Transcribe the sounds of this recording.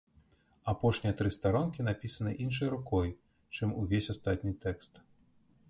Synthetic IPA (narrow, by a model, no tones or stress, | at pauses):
apɔʂnʲijɐt̪ɾɨst̪aɾɔnkʲinapʲisɐnɨʔinʂ̬ɐjɾukɔj | t͡ʂɨmuvʲesʲast̪at̪̚ʲnʲit̪ɛkst̪